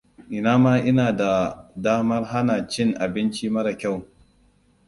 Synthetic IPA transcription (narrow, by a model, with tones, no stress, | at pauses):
ʔɪ˨naː˦maː˦ʔɪ˦naː˨da˨daː˦mɐ˦rɦa˦na˨t͡ʃɪ˦˨ŋʔa˨bɪ˦nt͡ʃiː˦mɐ˦ɽa˨kʲa˦˨w